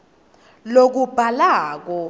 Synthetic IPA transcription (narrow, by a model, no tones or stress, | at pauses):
lok̬ub̥ʱalaːk̬ɔ